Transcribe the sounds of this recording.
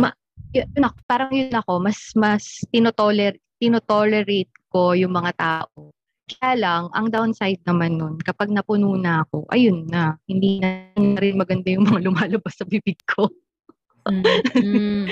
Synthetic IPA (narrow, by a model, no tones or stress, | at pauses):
mɐ | jʊjʊɐpaːɾɐŋjʊnːɐko̞mɐsmɐst̪ɪnot̪olɛɾt̪ɪnot̪olɛɾejt̪̚ko̞jʊŋmɐŋat̪aːʔo | kɐɐjaːlɐŋʔɐ̰ŋd̪awnsajd̪̚nɐmanːonkɐpaɡ̚nɐpʊnuːnɐʔɐko̞̰ʔɐ̰jʊnːɐhɪnd̪inɐnɐɾɪnmɐɡɐnd̪ajʊŋmɐŋalʊmaːlɐbasːɐbibɪɡ̚kʰo